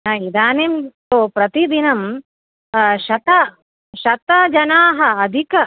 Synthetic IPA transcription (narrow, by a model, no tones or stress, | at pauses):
naid̪aːnemt̪oːpɾɐt̪id̪inɐm | ʃɐt̪ɐ | ʃɐt̪ɐd͡ʒɐnaːɦɐɐd̪ʱikɐ